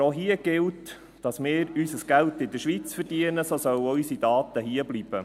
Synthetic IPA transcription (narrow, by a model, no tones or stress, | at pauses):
oɦiəɡ̥ɪlt | d̥ɑsmɪːɾysəsɡ̥æltɪdəɾʃʋit͡sfəɾdiənəsoːsœwysidɑːt̪əɦiːəblib̥ə